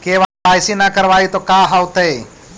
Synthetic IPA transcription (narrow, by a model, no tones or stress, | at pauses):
keːʋaaːɪsinakəɾʋaːit̪okaːɦawt̪ei